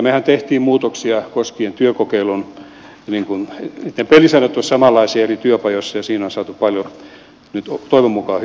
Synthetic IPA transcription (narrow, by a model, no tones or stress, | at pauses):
mehænt̪eht̪iːmmuːt̪oksiɑkoskient̪yøkokeilun | niŋkunit̪ːepelisɑinːæt̪ːuossɑmɑlːˑɑisiɑerit̪yøpɑjosːɑjɑsiːnonsɑːt̪uppɑljo | nyt̪ot̪oiʋemːukɑːh